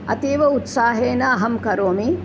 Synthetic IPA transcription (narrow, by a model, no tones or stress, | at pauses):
ɐ̰t̪iːʋɐut̪saːɦeːnɐɐɦɐmkɐɾoːmi